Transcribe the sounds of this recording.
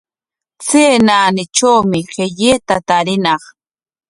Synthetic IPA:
t͡seːnaːnɪt͡ʃawmɪɢeʎeːt̪at̪aɾɪnɑχ

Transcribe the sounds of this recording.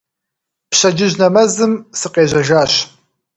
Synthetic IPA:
pɕɐd͡ʒɪʑnɐmɐzɨmsɨqeːʑɐʒaːɕ

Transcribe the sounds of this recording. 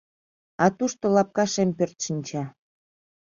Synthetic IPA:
ɑt̪uʃt̪olɑp̚kɑʃempørt̪ʃənʲt͡ɕɑ

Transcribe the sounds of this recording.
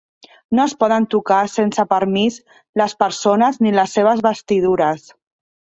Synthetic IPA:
noəspɔðənt̪ukasensəpəɾmiz | ləspəɾsonəzniləsːeβ̞əzβəst̪iðuɾəs

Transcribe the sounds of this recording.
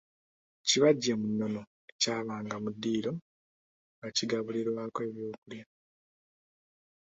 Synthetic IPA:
ciβaɟːemunːo̞no̞ | ecaːβaːŋɡamudːiːlo̞ | ɡaciɡaβuliɾwaːkwe̞ːβjo̞ːkulja

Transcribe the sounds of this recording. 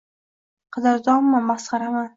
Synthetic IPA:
qʰɑd̪aɾd̪ɒmːamasχɑɾama

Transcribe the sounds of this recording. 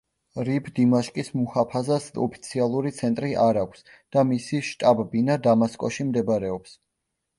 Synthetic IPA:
ɾipʰd̪imaʃkʼismuhapʰazasɔ̰pʰi̥t̪sʰialˠuɾit̪sʰɛnt̪ʼɾiʔaɾakʷʰs | d̪̥amisiʃt̪ʼabbinad̪amaskʼɔʃimd̪ɛbaɾɛɔps

